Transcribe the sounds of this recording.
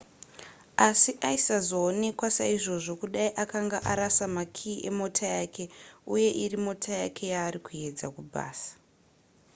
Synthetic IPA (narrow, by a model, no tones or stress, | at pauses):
asiʔaisazo̞ːne̞kwasaiʐo̞ʐo̞kuɗaiʔakaŋɡaʔaɾasamakʰiːʔe̞̰mo̞tʰajaːkʰe̞uje̞ʔirimo̞tʰajakʰe̞jaːɾikuje̞d͡zakubʱa̰ːsḁ